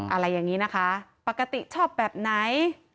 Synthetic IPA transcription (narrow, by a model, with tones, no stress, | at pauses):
ʔa˧ɾa˧jːaː˨˩ŋiː˦˥na˦˥kʰa˦˥pa˨˩kːa˧t̪i˨˩t͡ɕʰɔː˥˩p̚bɛː˨˩p̚na˦˥j